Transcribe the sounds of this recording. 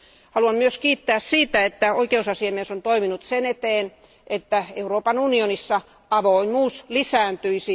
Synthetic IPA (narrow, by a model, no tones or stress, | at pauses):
hɑluɑmmyøskiːt̪ːæːssiːt̪æet̪ːæoikeusɑsiɑmiesont̪oiminut̪senet̪eːn | ʔet̪ːæeuroːpɑnunionisːɑ | ɑʋoimuːslisæːnt̪yisi